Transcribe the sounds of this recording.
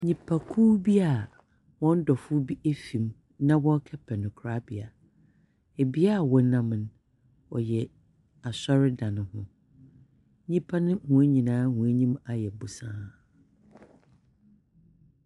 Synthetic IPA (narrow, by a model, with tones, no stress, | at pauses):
ɲĩ˨pʰa˨kʰuː˦bi˦a˨ | wɔ̃˦n̩˦dɔ˨fʊ˦bi˦ʔe˦fĩ˨m | nã˦wɔ̃˦kʰɛ˦pʰɛ˨nʊ̃˨kʰɾa˦bi˨a˨ | e˨bi˦a˦˨wɔ˨˦nã˦m̃˨n | wɔ̰˨jɛ˨ | a˨sɔ˦ɾɪ˦dã˨nʊ̃˨hʊ̰̃˦ | ɲĩ˦pʰa˦nɪ̃˦mũ˨e˦ɲĩ˨nãː˦hũ˨e˦ɲĩ˦ma˨jɛ˨bʊ˨sãː˦